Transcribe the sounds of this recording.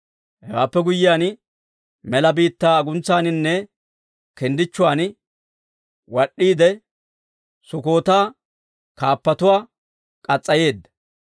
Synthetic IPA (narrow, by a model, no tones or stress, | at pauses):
hɛwaːpːɛɡʊjːɪjaːn | mɛlɐbiːt̪ːaːɐɡʊnt͡sːaːnɪnːɛ | kɛnd̪ɪt͡ʃːʊwaːn | wɐɗːiːd̪ɛ | sʊko̞ːt̪aː | kaːpːɐt̪ʊwaː | kʼɐt͡sʼːɐje̞ːd̪ːɐ̥